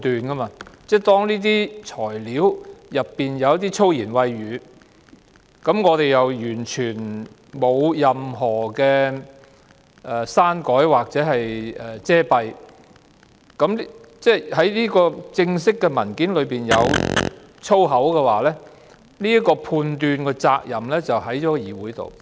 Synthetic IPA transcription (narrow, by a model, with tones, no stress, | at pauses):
t̪yː˨nkɐ˥maː˧t͡sɛː˥˩t̪ɔː˥ŋliː˥t̪̬iː˥t͡sʰɔː˨˩jliː˨˥wjɐ˨pːiː˨njɐ˨wjɐ˦t̪̬iː˥t͡sʰo˥wjiː˨˩nwɐ˧jːyː˨˧ | kɐ˨˥mŋɔː˨˧t̪e˨jjɐ˨wjyː˨˩nt͡ʃʰyː˨˩n | mo˨˧wjɐ˨mɦɔː˨˩kɛː˧ | ʔɛː˨saː˥nkɔː˨˥jwaː˨˩k̚t͡sɛː˨˥ɦɐ˨jʔɛː˨˩t͡sɛː˥pɐ˧j | kɐ˨˥mt͡sɛː˥hɐ˨˥jliː˥kɔː˧t͡sɪ˧ŋsɪ˥kːɛ˧mɐ˨˩nkiː˨˥nlɵ˨˧ɥpiː˨˩njɐ̰˨˧w | t͡sʰo˥wɦɐ˨˥wkɛ˧waː˨˥lɛː˥ | niː˥ɐ˥kɔː˧pʰuː˧nt̪yː˧nkɛː˧t͡sa̰ː˧k̚jɐ˨˩mlɛː˥t͡sɐ˨wɦɐ˨˥jt͡ʃɔː˨˦˥jiː˨wuː˨˥jt̪o̰˨w